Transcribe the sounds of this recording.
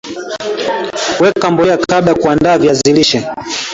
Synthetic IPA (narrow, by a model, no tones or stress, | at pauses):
wɛkambɔjakaɓlakuandaːvjaziliʃɛ